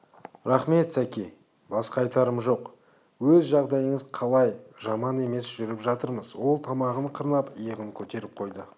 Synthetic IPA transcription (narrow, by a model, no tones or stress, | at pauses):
ɾɑχme̞t̪sækʲi | bɑsqɑjt̪ɑɾəmʒo̞q | wɵzʒɑʁd̪ɑjəɴəzqʰɑlˠɑjʒɑmɑne̞me̞sʒʏɾɪpʒɑt̪əɾməzwo̞lˠt̪ʰɑmɑʁəɴqʰəɾnɑpəjəʁəŋkʲʰɵt̪e̞ɾɪp̚qʰo̞jd̪ə